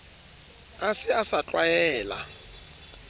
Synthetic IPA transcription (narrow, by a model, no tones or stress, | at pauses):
asɪasat͡ɬwajɛːla̰